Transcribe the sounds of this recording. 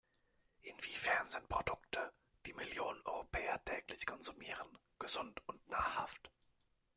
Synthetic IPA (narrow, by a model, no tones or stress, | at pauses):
ʔɪnv̥iːfɛɐnz̥ɪnt̚pʁ̥odʊktʰə | d̥iːmɪljoːnənʔɔ̰ʏʁopʰɛːɐtʰɛːklɪçkʰɔnzumiːʁ̞ən | ɡ̥əzʊntʊntnaːɐha̰ft